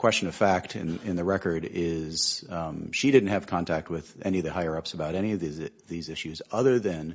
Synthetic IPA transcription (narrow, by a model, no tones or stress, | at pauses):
kʰw̥ɛst͡ʃɨ̃nʌv̥fæk̚tʰɨ̰̃nɪ̃nðɨɹɛkə˞ɾɪz̥ʃidɪdⁿn̩t̚hɨv̥kʰɑ̃ntʰæk̚t̚wɪðɛniʌvðɨhaɪə˞ʌpsəbaʊɾɛniʌvðizðizɪʃʉzʌðə˞ðɨ̃n